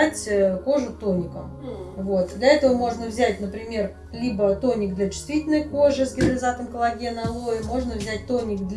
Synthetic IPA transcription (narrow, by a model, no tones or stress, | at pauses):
tʲko̞ʐʊt̪o̞nʲɪkəmvo̞t̪̚d̪lʲɐɛt̪əvəmo̞ʐnəvzʲætʲnəpɾʲɪmʲe̞r | lʲibət̪o̞nʲɪkd̪lʲɐt͡ɕɪ̥st̪vʲitʲɪlʲnəjkoʐɨsɡʲɪnɾəlʲɪzat̪əmkəlˠɐɡʲe̞nəlˠojɪmo̞ʐnəvzʲæt̚ʲt̪onʲɪkd̪lʲ